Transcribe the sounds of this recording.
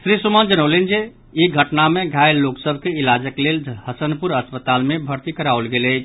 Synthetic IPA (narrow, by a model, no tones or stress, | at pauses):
sɾisumand͡ʒənəlend͡ʒe | iɡʱəʈnameɡʱajloksəbʱkeilad͡ʒəklelhəsənpuɾəspət̪almebʱəɾt̪ikəɾaolɡeləjt͡ʃʰ